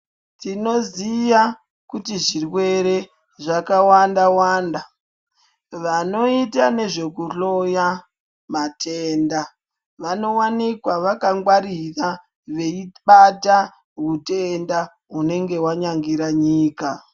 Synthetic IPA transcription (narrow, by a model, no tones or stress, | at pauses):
tino̞zija | kutiʐirwe̞ɾe̞ | ʐakawandawaːnda | ʋano̞itane̞ʐe̞kuɬo̞ja | matʰeːnda | ʋano̞wanikwaʋakaŋɡwaɾira | ʋe̞iɓata | ɣute̞nda | ɦune̞ŋɡe̞waɲaŋɡiɾaɲiːka